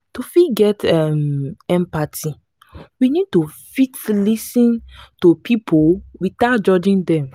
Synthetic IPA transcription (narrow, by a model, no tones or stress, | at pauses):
tufiɡɛtamɛ̃mpatʰi | winid̚tufitlisĩntupʰipʰowiθaʊt̚d͡ʒɔd͡ʒĩndɛ̃m